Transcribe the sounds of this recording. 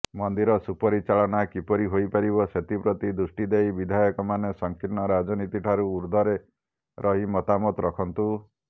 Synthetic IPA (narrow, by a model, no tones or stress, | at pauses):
mɔnd̪iɾɔsupɔɾit͡ʃaɭɔnakipɔɾiɦojpaɾibɔset̪ipɾot̪id̪usʈid̪ejbid̪ʱajɔkɔmanesɔŋkinɔɾad͡ʒɔnit̪iʈʰaɾuːɾd̪ʱɔɾe | ɾʔɔɦimɔt̪amɔt̪ɾɔkʰɔnt̪u